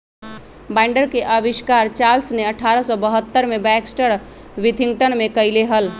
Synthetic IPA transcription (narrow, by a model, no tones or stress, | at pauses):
baɪɳɖəɾkeʔəbiʃkaɾt͡ʃalsneəʈʰaɾəsɔbəɦət̪ːəɾmebɛksʈəɾ | ʋit̪ʰiŋɡ̚ʈəɳ̃mekəjleɦəl